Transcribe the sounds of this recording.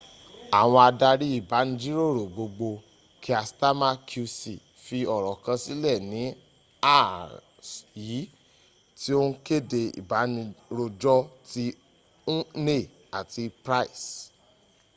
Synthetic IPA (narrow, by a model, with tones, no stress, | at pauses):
a˨w̃ɔ̃˧a˧da˧ɾi˦i˦˨ba˨˦nĩ˧d͡ʒi˦ɾo˦˨ɾo˨ɡ͡bo˧ɡ͡bo˧ | ki˦a˧sta˦ma˦˧kʰu˧sḭ˨ | fi˧ɔ˨ɾɔ˨kã˧si˦lɛ˦˨nĩ˨˦ | a˦˨ | sji˨˦ | ti˦o˦n̩˦ke˦˨de˧ḭ˨ba˨˦nĩ˧ɾo˧d͡ʒɔ˦ti˧˦ | ũ˦ne˦˨ | a˨ti˧pɾa˦i˨s